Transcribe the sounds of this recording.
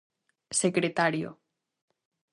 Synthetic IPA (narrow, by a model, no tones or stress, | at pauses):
sekɾet̪aɾjo̰